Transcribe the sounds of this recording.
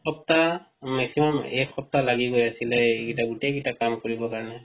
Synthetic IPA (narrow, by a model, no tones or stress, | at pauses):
xɔp̚ta | maksimamɛxɔp̚talaɡiɡojasilɛkitaɡutɛkitakamkɔɹibɔkaɹnɛ